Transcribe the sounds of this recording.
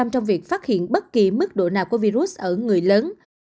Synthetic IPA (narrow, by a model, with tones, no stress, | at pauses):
a˧mt͡ɕɔ˧wŋ͡mvi˨˩ək̚faː˦˥t̚hḭ˧˨ənɓə˦˥t̚ki˨˩mɨ˦˥k̚ɗo̰˧˨naː˨˩wku˧˩əvi˧ɾu˦˥s̚ʔəː˧˩ŋɨ˨˩əjləː˨˦n